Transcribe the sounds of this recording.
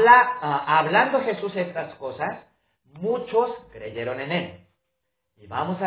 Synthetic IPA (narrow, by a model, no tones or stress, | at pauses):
aaβland̪o̞xe̞suse̞st̪asko̞sas | mut͡ʃo̞skɾe̞ʝe̞ɾo̞ne̞ne̞l | iβa̰mo̞sa